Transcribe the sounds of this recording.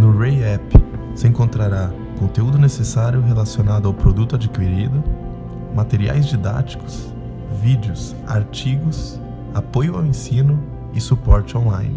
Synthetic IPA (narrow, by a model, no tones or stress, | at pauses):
nʊɾejɛpsɪẽŋkõnt̪ɾaɾa | kõnt̪eud̪ʊnesesaɾjʊɦelasionad̪ʊawpɾod̪ut̪ʊad͡ʒikiɾid̪ʊ | mat̪eɾia̰jzd͡ʒid̪a̰t͡ʃi̥kʊ̥s | vid͡ʒɪʊs | a̰ɾt͡ʃiɡʊs | apojʊawẽsĩnʊ | ɪsupɔɾt͡ʃɪõlã̰j̃nɪ